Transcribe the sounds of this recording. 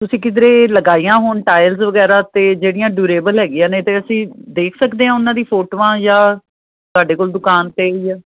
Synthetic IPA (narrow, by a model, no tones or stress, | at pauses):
t̪ʊsĩːkɪt̪ɾeːləɡaːijãːɦoːɳʈaːɪlzʋəɡɛːɾaːt̪eːd͡ʒeːɽijãːɖuːɾeːbəlɦɛːɡijãːnẽːt̪eːəsĩːd̪eːkʰsəkd̪eːɦãːʊnãːd̪iːpʰoːʈoːʋãːjaː | saːɖeːkoːld̪ʊkaːnt̪eːja